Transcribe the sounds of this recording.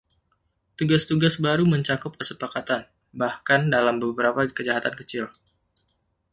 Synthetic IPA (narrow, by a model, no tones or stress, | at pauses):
t̪uɡast̪uɡasbaɾuməɲt͡ʃakʊp̚kəsəpakat̪an | bahkandalambəbəɾapakəd͡ʒaɦat̪ankət͡ʃɪl